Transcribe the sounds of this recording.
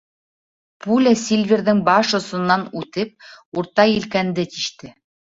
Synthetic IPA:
pulʲasʲilʲvʲiɾðɘŋbɑʃŏsŏnːɑnʉt̪ɘp̚uɾt̪ɑjilkænd̪ɘt̪iʃt̪ɘ

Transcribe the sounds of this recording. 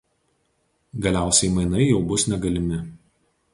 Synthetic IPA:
ɡɐlʲæˑʊsʲɛɪmɐɪnɐɪjɛʊbʊsnʲɛɡɐlʲɪmʲɪ

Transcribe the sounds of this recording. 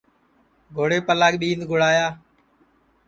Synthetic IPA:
ɡʱoːɽeːpəlaːɠɓiːnd̪ɡʱʊɽaːjaː

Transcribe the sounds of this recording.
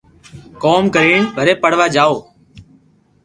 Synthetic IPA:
koːmkəɾiːɳbʱəɾeːpəɽ̤ʋaːd͡ʒaːoː

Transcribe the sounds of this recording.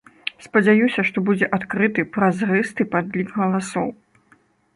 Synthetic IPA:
spɐd͡zʲajusʲɐʂt̪ɔbud͡zʲɛʔat̪kɾɨt̪ɨpɾɐzrɨst̪ɨpad̪lʲikɣɐlˠasɔw

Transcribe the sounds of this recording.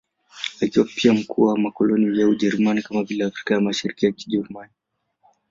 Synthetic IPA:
akiwapiam̩kuwmakɔlɔnivjauʄɛɾumanikamavilɛafɾi̥kajamaʃiɾikijaki̥ʄɛɾumani

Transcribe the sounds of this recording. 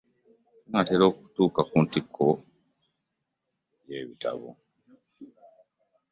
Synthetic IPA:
uŋateɾo̞ːku̥tuːkakuntikʰːo | jeβita̰βo̰

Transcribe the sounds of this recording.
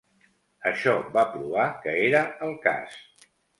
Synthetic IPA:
əʃɔbapɾuβ̞akəeɾəəlˠka̰s

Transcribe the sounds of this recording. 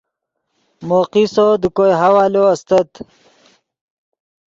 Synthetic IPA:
moqisod̪ukojɦawaːloɐst̪ɐt̪

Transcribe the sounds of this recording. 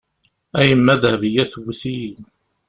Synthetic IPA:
æjəmːæðhvəjæθwːiθin

